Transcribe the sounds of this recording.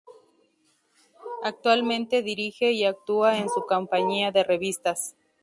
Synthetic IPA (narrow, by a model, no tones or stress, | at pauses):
ak̚t̪walmẽ̞nt̪e̞ðiɾixe̞iak̚t̪uaensukompaɲiaðe̞re̞βist̪as